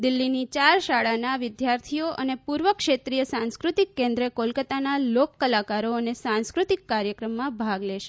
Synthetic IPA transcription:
d̪ɪlːinit͡ʃaɾʃaɭanaʋɪd̪jaɾt̪ʰijoʔənepuɾʋəkʃet̪ɾijəsãnskɾut̪ikːẽnd̪ɾəkolkət̪analokːəlakaɾoənesãnskɾut̪ikːaɾjəkɾəmːãbʱaɡleʃe̥

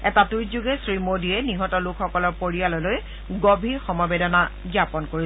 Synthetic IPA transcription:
ɛtatuzuɡɛsɹimodiɛniɦɔtɔlukʰxɔkɔlɔɹpoɹialɔloj | ɡobʱiɹxɔmɔbɛdɔnaɡjapɔnkoɹi

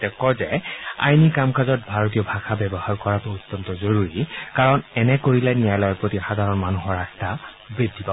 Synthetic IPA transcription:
tɛkɔzɛa̰jnikamkazɔt̚bʱaɹot̬ijɔbʱaxʰabɛbɔhaɹkɔɹatʊutːɔntɔzoɹuɹikaɹɔnɛnɛkoɹilɛnijajlɔjɔɹpɹotixadʱaɹɔnmanuɦɔɹasta | bɹiddipa

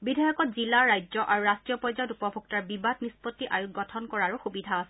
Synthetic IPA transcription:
bidʱajɔkɔtzilaɹajzɔʔaɹuɹastɹijɔpɔzajɔtupɔbʱuk̚taɹbibadnispɔtːiʔajuɡɡɔtʰɔnkɔɹaɹuxubidʱaːsɛ

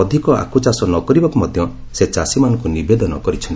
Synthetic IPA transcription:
ɔd̪ʱikɔa̰kʰut͡ʃasɔnɔkɔɾibakumɔd̪ʱjɔ | set͡ʃasimanɔ̃ŋkunibed̪ɔnɔ̰kɔɾit͡ʃʰɔnt̪i

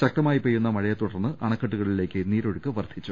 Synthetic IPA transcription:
t͡ɕɐk̚ʈɐmaːjipejunːɐmɐɻɐjɐt̪uɽɐrnːɨʔɐɳɐkːɐʈ̬ːuɣɐɭile̞ːkːɨniːɾo̞ɻukːɨʋɐrd̪ʱit͡ɕːu

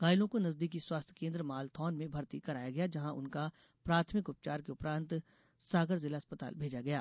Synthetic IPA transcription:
ɡaːjlõkonɐzd̪iːkiswaːst̪ʰkẽːnd̪ɾəmaːlt̪ʰɔːnmẽbʱɐɾt̪ikɐɾaːjaɡɐjad͡ʒɐɦãʔʊ̰nka | pɾaːt̪ʰmɪkʊp̚t͡ʃaːɾkeʊpɾãːnt̪ | saːɡəɾzɪlaɐspət̪a̰ːlbʱeːd͡ʒaɡɐja̰ː

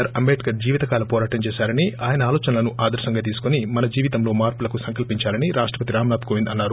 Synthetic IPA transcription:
ɐɾɐmbeːʈkɐɾd͡ʒiːʋit̪ɐkaːlɐpɔːɾaːʈɐmt͡ʃeːʃaːɾɐniʔaːjɐnɐaːloːt͡ʃɐnɐlɐnuʔaːd̪ɐɾsɐŋɡat̪̬iːsu̥konimɐnɐd͡ʒiːʋit̪ɐmlo̞ːmaːɾpulɐkusɐŋkɐlpiɲt͡ʃaːɾɐniɾaːʂʈɾɐpɐt̪iɾaːmnaːt̪koʋind̪ɐnːaːɾu

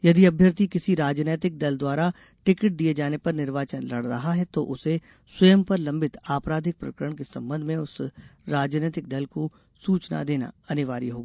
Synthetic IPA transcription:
jɐd̪iɐbʱjəɾt̪ikɪsiɾaːd͡ʒneːt̪ɪk̚d̪ɐld̪waːɾa | ʈɪkɪʈ̚d̪ied͡ʒaːnepɐɾnɪɾʋaːt͡ʃənlɐɽɾɐ̰ɦaɦɛt̪oʔʊse | swɐjəmpɐɾlɐ̃mbʱɪt̪aːpɾaːd̪ʱɪk̚pɾɐ̰kəɾəɽ̃kesɐ̰̃mbə̃nd̪ʱmẽʊsɾaːd͡ʒneːt̪ɪk̚d̪ɐlko | suːt͡ʃna̰d̪eːna̰ɐnɪʋa̰ːɾḭɦoːɡaː

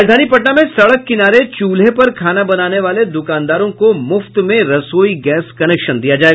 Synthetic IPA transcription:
d͡ʒd̪ʱaːnipɐʈnamẽsɐɽəkːɪnaːɾet͡ʃuːlɦepɐɾkʰaːnabɐnaːneʋaːled̪ʊkaːnd̪aːɾõkomʊft̪mẽɾɐsoːiɡɛːskɐnɛːkʃənd̪ijad͡ʒaːeːɡ

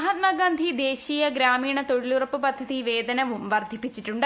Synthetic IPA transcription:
ɦɐt̪̚maːɡaːnd̪ʱid̪e̞ːɕiːjɐɡɾaːmiːɳɐt̪o̞ɻilurɐpːɨpɐd̪ʱːɐðiʋe̞ːd̪ɐnɐʋumʋɐrd̪ʱipːit͡ɕːiʈːuɳɖ

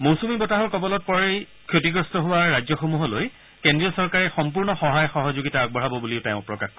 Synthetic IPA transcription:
mowsumibɔtaɦɔɹkɔbɔlɔt̚pɔɹej | kʰotiɡɹɔstɔɦʊwaɹajzɔxomuɦɔloj | kendɹiɔsɔɹkaɹɛxɔmpuɹnɔxɔɦajxɔɦɔzoɡitaaɡ̚bɔɹabɔbuliʊtaʊ̃pɹɔkaxkɔ

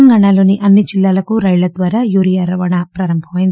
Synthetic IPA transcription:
ŋɡaːɳaːlo̞ːniʔɐnːid͡ʒilːaːlɐkuɾɐjlɐd̪ʋaːɾaːjuːɾijaːɾɐʋaːɳaːpɾaːɾɐmbʱɐmɐjind̪i

